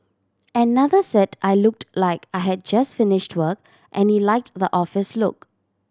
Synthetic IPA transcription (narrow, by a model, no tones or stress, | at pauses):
ənaðəsɛtʔaɪlʊk̚tlaɪkaɪɦɛd̚d͡ʒastfɪnɪʃtʰwək | ʔɛ̃nhilaɪk̚tðəʔɔfɪslʊ̰k